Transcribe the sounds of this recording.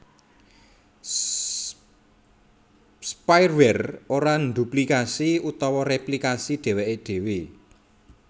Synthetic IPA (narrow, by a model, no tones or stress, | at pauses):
spajrwɛroɾand̪uplikasiut̪ɔwɔrɛplikasid̪̥e̤weʔed̥e̤we